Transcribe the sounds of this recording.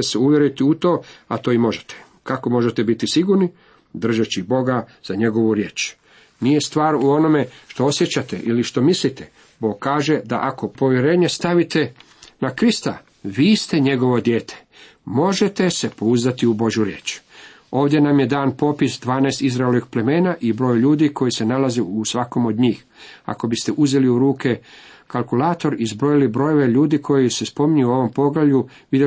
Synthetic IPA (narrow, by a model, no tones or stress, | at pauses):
seuʋje̞ɾit̪iut̪o̞ːat̪o̞ːimo̞ʒe̥t̪ʰe̥ | kako̞mo̞ʒet̪ebit̪isiɡuɾni | d̪r̩ʒet͡ɕibo̞ɡaz̥aɲe̞ɡo̞ʋuɾjeːt͡ʃ | nijest̪ʋaːɾuo̞no̞me̞ʃt̪o̞osjet͡ɕat̪ḛʔiliʃt̪o̞mislit̪e | bo̞ːɡ̚kaːʒe̞d̪aʔako̞po̞ʋjeɾe̞ːɲest̪aʋit̪e̞ | nakɾist̪a | ʋiːst̪e̞ɲe̞ɡo̞ʋo̞d̪jeːt̪ʰe̥ | mo̞ʒe̞t̪e̞se̞po̞uzat̪iubo̞ʒjuɾjeːt͡ʃ | o̞ːʋd̪je̞namje̞d̪aːnpo̞pisd̪ʋaːnaːst̪izɾaeloʋixple̞me̞ːnaʔibɾo̞ːjʎuːd̪iko̞jise̞nalazeusʋako̞mo̞d̪ɲiːx | a̰ko̞bist̪eʔuze̞liuɾuːke̞kalˠkulaːt̪o̞ɾizbɾo̞jilibɾo̞joʋe̞ʎuːd̪ikʰo̞jisespo̞miɲujuo̞ʋo̞mpo̞ɡlaʎu | ʋid̪